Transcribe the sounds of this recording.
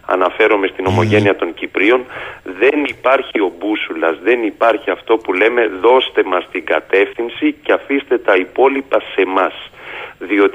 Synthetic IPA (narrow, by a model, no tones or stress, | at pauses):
ɐ̰nɐfe̞ɾo̞me̞st̪ino̞mo̞ʝe̞niɐt̪o̞ɲcipɾio̞nðe̞nipɐɾçio̞busulɐzðe̞nipɐɾçiɐft̪o̞pule̞me̞ðo̞st̪e̞mɐst̪iŋɡɐt̪e̞fθinsiceɐfist̪e̞t̪ɐipo̞lipɐse̞mɐsðio̞t̪i